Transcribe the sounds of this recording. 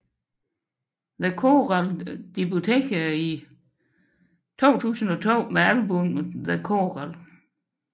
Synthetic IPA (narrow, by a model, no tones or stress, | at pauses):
ðekʰo̝ːʁɑld̥ib̥o̝t͡sʰḛːɡ̥ʰæi | t͡sʰo̝̰ːt͡sʰṵːsn̩ɒ̽t͡sʰo̝̰ːmeælb̥ɔmðekʰoʁɑl